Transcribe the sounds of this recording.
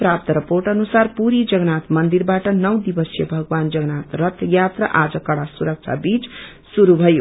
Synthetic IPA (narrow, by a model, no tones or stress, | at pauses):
prap̚t̪ʌɾʌporʈʌnusarpuɾid͡zʌɡnat̪mʌnd̪irbaʈʌnʌwd̪ibʌsjʌbʱʌɡwand͡zʌɡnat̪rʌt̪ʰjat̪rʌʔad͡zʌkʌɽasuɾʌk̚t͡sʰa̰bit͡s | suɾubʱʌjo